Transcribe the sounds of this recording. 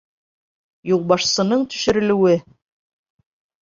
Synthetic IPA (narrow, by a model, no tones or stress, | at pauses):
julˠbɑʃsɤ̆nɤɴt̪ɵ̥̆ʃɘ̆ɾɘ̆lɘ̆wɘ